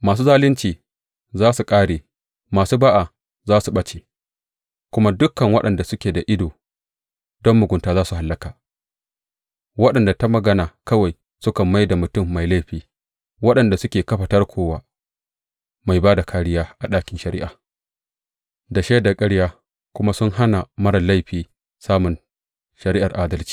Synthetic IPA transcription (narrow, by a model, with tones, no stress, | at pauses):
maː˨s̬uː˦zaː˦lɪ˦nt͡ʃiː˨ | zaː˦su˨kʼaː˦ɽeː˨ | maː˨suː˦baː˦ʔa˨ | zaː˦su˨ɓɐ˦t͡ʃeː˨ | kʷʊ˦ma˦dʊ˦kːɐ˨ŋwɐ˦ɗɐ˨nda˨sʊ˦kʲeː˨da˨ʔɪ˦doː˨ | dɔ˦mːʊ˨ɡʷʊ˨ntaː˨zaː˦su˨ɦa˨lːɐ˦kaː˨ | wɐ˦ɗɐ˨nda˨ta˦mɐ˨ɡɐ˦naː˨kɐ˦wa˨j | sʊ˦kɐ˨mːa˦jda˨mʊ˨tʊ˦˨mːa˨jla˦jɸiː˨˦ | wɐ˦ɗɐ˨nda˨sʊ˦kʲeː˨kɐ˦ɸɐ˨tɐ˦rkʷʰoː˦waː˦ | ma˨jbaː˦da˨kʰaː˦ɽɪ˦jaː˦ʔa˨ɗaː˦kʲɪ˨nʃɐ˨ɾɪ̰˦ʔaː˨ | da˨ʃeː˦da˨kʼɐ˦ɽjaː˦ | kʷʊ˦ma˦sʊ˦ŋɦa˦na˨mɐ˦ɽɐ˨la˦jɸiː˨ | saː˦mʊ˨n | ʃɐ˨ɾi˦ʔa˨rʔaː˦dɐ˦lt͡ʃi̥ː˨